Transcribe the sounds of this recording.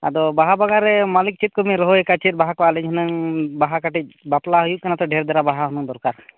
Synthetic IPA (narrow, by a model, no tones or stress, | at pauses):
a̰d̪ɔbaɦabaɡaɾɛmalik̚t͡ʃit̪̚kɔmiɾɔɦɔɛkat͡ʃit̪̚baɦakalɛɲɦənəŋbaɦakaʈic̚baplaɦujuʔkanat̪ɔɖʱɛɾd̪ɛɾabaɦaɦɔnuŋd̪ɔɾkaɾ